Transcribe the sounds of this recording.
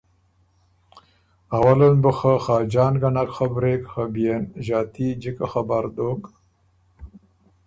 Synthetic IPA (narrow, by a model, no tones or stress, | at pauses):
awalənbəxaxɑːd͡ʒɑːnɡanakxabɾeːkxabijenʒɑːt̪id͡ʒikaxabaɾd̪ok